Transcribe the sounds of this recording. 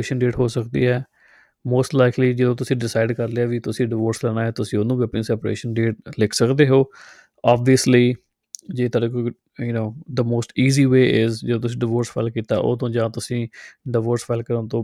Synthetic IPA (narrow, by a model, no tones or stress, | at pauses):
eːʃənɖeːʈɦoːsəkd̪ḭːɦɛː | moːsʈlaɪkliːd͡ʒəd̪õːt̪̬ʊsĩːɖɪsaːɪɖkəɾleaːʋit̪ʊsĩːɖɪʋoːɾslɛːnaːɦɛːt̪ʊsĩːonũːʋɛːpɪ̃ŋsɛːpɾḛːʃənɖeːʈ̚lɪkʰsəkd̪eːɦoː | aːbiəsliː | d͡ʒeːt̪aɖeko | jʊnoːd̪əmoːsʈiːziːʋeːʔɪzd͡ʒəd̪õt̪ʊs̬ĩːɖɪʋoːɾsfʰa̰ɪlkiːt̪a̰ːʔo̰ːt̪õːd͡ʒãːt̪ʊsĩːɖɪʋoːɾsfaɪlkəɾə̃nt̪õː